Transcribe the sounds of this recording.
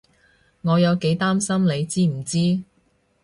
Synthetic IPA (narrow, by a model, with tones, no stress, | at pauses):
ŋɔː˨˧jɐ˨˧wke˨˥jt̪aː˥msɐ˥mle˨˧jt͡siː˥m̩˨˩t͡siː˥